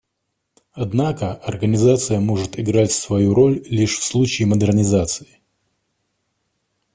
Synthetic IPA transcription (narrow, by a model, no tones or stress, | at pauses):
ɐd̪nakəɐrɡənʲɪzat̪sɨjəmo̞ʐɨt̪ɪɡɾatʲsvɐjuɾo̞lʲlʲiʂfslˠut͡ɕɪːməd̪ɨrnʲɪzat̪sɨ̥ɪ